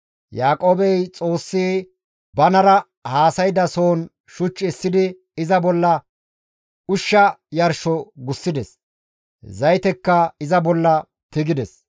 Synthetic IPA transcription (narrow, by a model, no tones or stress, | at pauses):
jaːkʼoːbɛjt͡sʼo̞ːsːiː | bɐnɐɾɐ | haːsɐjd̪ɐsoːn | ʃʊt͡ʃːɛsːɪd̪ɪ | ɪzɐbɔlːɐ | ʊʃːɐjɐɾʃɔɡʊsːɪd̪ɛs | zɐjt̪ɛkːɐɪzɐbɔlːɐ | t̪ɪɡɪd̪ɛs